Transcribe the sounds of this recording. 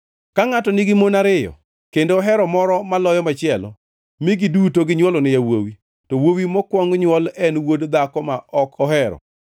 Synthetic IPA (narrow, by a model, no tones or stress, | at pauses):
kaŋatɔnɪɡɪmonaɾɪjɔ̰ | kendoːɦɛɾɔmɔɾɔmalɔjɔmat͡ʃɪɛlɔ̰ | mɪɡidutoɡɪɲwɔlɔnɪjawo̰wi | tɔwowimɔkwɔŋɲwɔlɛnwodd̪akɔmaʔɔkɔɦɛɾɔ̰